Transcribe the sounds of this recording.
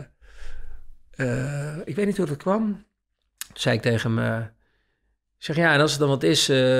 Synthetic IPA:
əɪkʋeːtnithurdɔt̚kʰʋɔm | tu̥nsɛjɪk̚tejχəəmə | sɛxjaɛnɔlˠsət̚dɔnʋɔtɪsə

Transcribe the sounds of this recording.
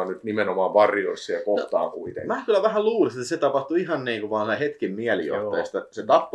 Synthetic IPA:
nnyt̪nimenomɑːʋʋɑrjoisːɑɑkot̪ɑ̰ːkuit̪ḛŋmæːkylːˑæʋæhælluːliset̪ːset̪ɑpɑht̪uihɑnniːŋkuʋɑːnsihet̪kimmiælḭjo̰ht̪ɑjɑ̰st̪ɑset̪ɑpː

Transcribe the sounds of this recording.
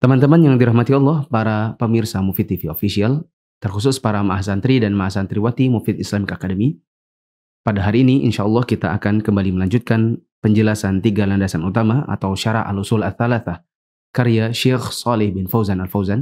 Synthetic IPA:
t̪əmant̪əmanjaŋdiɾahmat̪iɔlˠːɑhpaɾapəmirsamufit̪ifiofisial | t̪ərkusʊspaɾamaʔasant̪ɾidanmaasant̪ɾiwat̪imufɪt̪ɪslamikakadəmi | padaɦaɾiːniʔḭnʃaʔɑlˠːɑhkit̪aʔakankəmbaliməlaɲd͡ʒut̪̚kan | pəɲd͡ʒəlasant̪iɡalandasanut̪amaʔa̰t̪awʃaɾa̰a̰lusulaθːalaθah | kaɾijaʃɛxsɑlɪhbɪnfawzanalfawzan

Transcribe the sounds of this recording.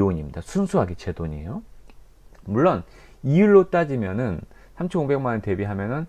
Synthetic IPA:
oɲimɲidasʰunsʰuɦaɡet͡ɕe̞doɲḛjo | muɭːon | iɯɭːot͈ad͡ʑimjʌnɯnsʰamt͡ɕʰʌnobe̞ŋmanɯte̞biɦamjʌnɯn

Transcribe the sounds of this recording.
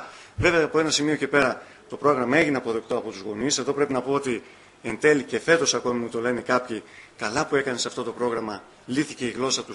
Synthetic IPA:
ve̞ve̞ɐːpo̞e̞nɐsimio̞ce̞pe̞ɾɐ | t̪o̞pɾo̞ɣɾɐmɐe̞ʝineɐpo̞ðe̞k̚t̪o̞ɐpo̞t̪uzɣo̞nise̞ðo̞pɾe̞pinɐpo̞ot̪i | e̞nt̪e̞lice̞fe̞t̪o̞sɐko̞mimut̪o̞le̞nekɐpçikɐlɐpue̞kɐne̞sɐft̪o̞t̪o̞pɾo̞ɣɾɐmɐ | liθice̞iɣlo̞sɐt̪u

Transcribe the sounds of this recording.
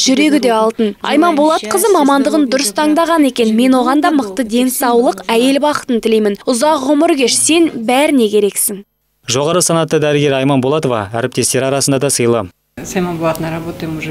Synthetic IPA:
ʒʏɾe̞ɡʲɪd̪e̞ɑlˠt̪ənɑ̰jmɑnbolˠɑt̪qʰəzəmɑmɑnd̪əʁənd̪ʊɾəst̪ʰɑŋd̪ɑʁɑne̞kʲe̞nme̞nwo̞ʁɑnd̪ɑməq̚t̪əd̪e̞nsɑwlˠəqæje̞lbɑqə̥t̪ənt̪ʰɪlejmɪnʊzɑqʁʊməɾɡʲe̞ʃse̞nbæɾɪne̞kʲʰe̞ɾe̞ksɪŋ | ʒo̞ʁɑɾəsɑnɑt̪ːəd̪æɾəɡʲe̞ɾɑjmɑnbolˠɑt̪ovɑ̰æ̰ɾɪp̚t̪e̞st̪e̞ɾɑɾɑsənd̪ɑd̪ɑsəjlˠə | sɑjmɑnbolˠɑt̪ənɾɑbot̪əm

